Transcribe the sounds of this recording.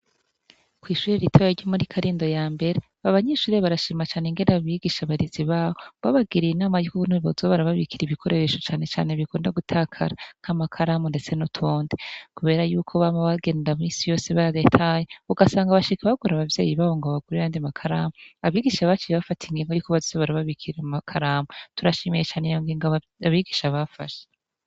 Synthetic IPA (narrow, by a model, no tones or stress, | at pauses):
kwiːʃuːɾeɾitʰojaɾɟomuɾikʰaɾiːndo̞jaːmbe̞ɾe | aβaɲeʃuːɾeβaɾaʃiːmat͡ʃaːneŋɡe̞ndaaβiɡiʃaβaɾiziβaːβoβaβaɡiɾinaːmajukounhuβozoβaɾaβaβikiɾiβikʰo̞ɾeɾeʃo̞t͡ʃaːne̞t͡ʃa̰ːneβikoːndaɡutʰaːkʰa̰ɾan̥hamakʰaɾaːmunde̞t͡se̞notʰoːndekuβe̞ːɾajuːkʰo̞βamaβaɡeːndamisijo̞ːseβaɾetʰajeuɡasaːŋɡaβaʃikaβaɡuɾaβavje̞̰ːjiβaːβoŋɡaβaɡuɾejaːndimakʰaɾaːmoaβiɡiʃaβat͡ʃiβafatʰiŋɡiːŋɡojukoβazizoβaɾaβaβikʰiɾamakʰaɾaːmutuɾaʃimejet͡ʃaːnejoŋɡiŋɡaβa | aβiɡiʃaβafa̰ʃe